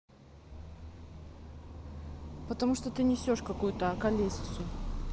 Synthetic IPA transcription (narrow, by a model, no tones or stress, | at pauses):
pət̪ɐmuʂt̪ot̪ɨnʲɪsʲo̞ʂkɐkujʊt̪əɐkɐlʲesʲsʊ